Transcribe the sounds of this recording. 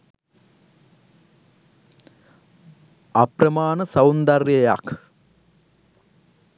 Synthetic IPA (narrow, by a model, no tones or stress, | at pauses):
ɐprɐmaːnɐsɐwnd̪ɐrjɐjak